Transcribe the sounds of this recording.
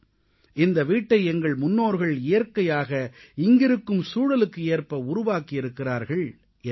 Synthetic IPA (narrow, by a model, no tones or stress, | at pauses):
ɪnd̪ɐʋiːʈːɐɪɛŋɡɐɭmʊnːoːɾɣɐɭɪjɐɾkɐjaːɣɐɪŋɡɪɾɯkːɯmsuːɽɐlɯkːɯeːrpɐʊɾʊʋaːkɪjɪɾɯkːɪraːɾɣɐɭ